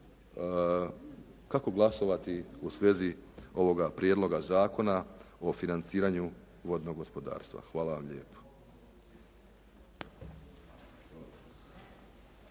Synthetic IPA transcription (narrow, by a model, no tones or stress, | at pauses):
kako̞ɡlˠaso̞ʋat̪iusʋe̞zio̞ʋo̞ɡapɾjed̪lo̞ɡazaːko̞nao̞finant̪siːɾaɲu | ʋo̞d̪no̞ɡo̞spo̞d̪a̰ːɾst̪ʋa̰xʋaːlˠaʋamʎḛːpo̥